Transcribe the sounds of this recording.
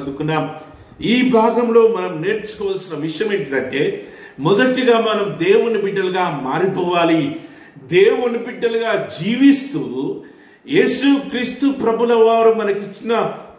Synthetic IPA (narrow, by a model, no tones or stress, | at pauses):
nd̪ukunːaːm | iːbʱaːɡɐmlo̞ːmɐnɐmne̞ːɾt͡ʃu̥kɔːʋɐlsinɐʋiʂɐjɐme̞ːɳʈid̪ɐɳʈe̞ː | mɔd̪ɐʈːiɡaːmɐnɐmd̪eːwunipiɖːɐluɡaːmaːɾipɔːʋaːli | d̪eːwunibiɖːɐluɡaːd͡ʒiːʋist̪uː | je̞ːsukɾiːst̪upɾɐbunɐʋaːɾɐmːɐnɐkit͡ʃːinɐ